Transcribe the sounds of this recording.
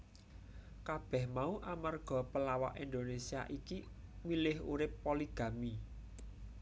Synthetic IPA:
kab̥ɛ̤hmauʔamarɡ̥ɔ̤pəlawa̰ʔind̪onesia̰ʔiki | milɪɦṵɾɪpːoliɡ̥ä̤mi

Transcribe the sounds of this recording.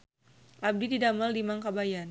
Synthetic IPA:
ʔab̚did̪idamaldimaŋkabajan

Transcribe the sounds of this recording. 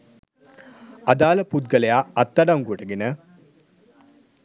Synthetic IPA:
ad̪aːləput̪̚ɡəlejaːt̪ːaɖaŋɡuəʈəɡenə

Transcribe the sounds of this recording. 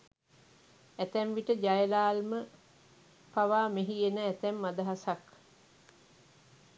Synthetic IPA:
æt̪æɱʋiʈəd͡ʒajəlaːlmə | paʋaːmeɦienəæt̪ɛmːad̪əɦasak

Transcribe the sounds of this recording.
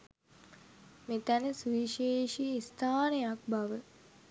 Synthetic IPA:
met̪ænəsuiʃeːʃiist̪ʰaːnejak̚baʋə

